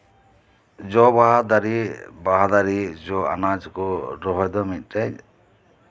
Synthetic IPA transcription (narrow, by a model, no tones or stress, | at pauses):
d͡ʒɔbaɦad̪aɾibaɦad̪aɾid͡ʒɔa̰nad͡ʒkɔɾɔɦɔjd̪ɔmit̪̚ˀʈɛɲ